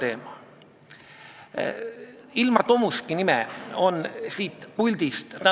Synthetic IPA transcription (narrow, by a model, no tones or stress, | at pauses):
t̪e̞ːmɑ | ilmɑt̪o̞muskinimeo̞nsiːt̪pulʲd̪̥ist̪t̪æ